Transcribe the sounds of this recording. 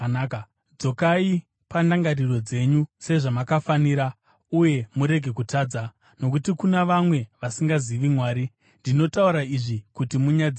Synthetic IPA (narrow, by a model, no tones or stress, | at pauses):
d͡zo̞kai | pandaŋɡariro̞d͡ze̞ɲuse̞ʐamakafaniɾa | uje̞muɾe̞ɡʱe̞kutʰaːd͡za | no̞kutikunaʋamwe̞ʋasiŋɡaziʋimwaːɾi | ndino̞tauɾaiʐikutimuɲad͡z